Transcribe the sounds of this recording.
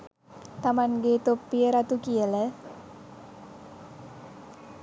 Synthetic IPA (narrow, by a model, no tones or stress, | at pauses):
t̪amanɡet̪opːiəɾat̪ukiələ